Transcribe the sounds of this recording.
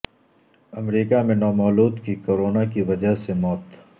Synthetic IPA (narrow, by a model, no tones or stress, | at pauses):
ɐmɾiːkamẽnɔːmɔːluːd̪kikoːɾoːnakiʋɐd͡ʒəɦsemɔːt̪